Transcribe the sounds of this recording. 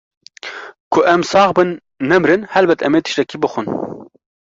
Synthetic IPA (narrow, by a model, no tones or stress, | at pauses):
kʰʊʔɛmsɑːχbɨnː | ɛmɾɨnhɛlbɛt̪ʰɛmeːt̪ʰɨ̥ʃt̪ɛkiːbɨxʷun